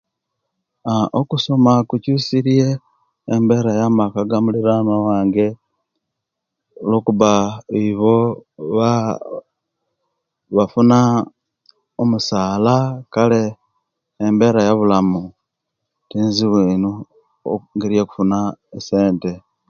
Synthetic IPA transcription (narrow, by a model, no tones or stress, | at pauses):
aʔokuso̞makucusiɾie̞ː | mbe̞ɾajamakaɡamuliɾanowaːŋɡe̞ | lokuβaiβo̞βa | βafuna | omusaːlakale̞ː | mbe̞ɾajaβulamu | tiːnziβwiːnu | ŋɡiɾijeku̥funaese̞ːnte̞